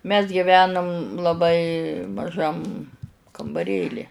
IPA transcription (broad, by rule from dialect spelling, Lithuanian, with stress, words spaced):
mʲɛs ɡʲɪˈʋʲæːnʊm lˠɐˈbɐɪ mɐˈʒɐm kɐmbɐˈrʲeːlʲɪ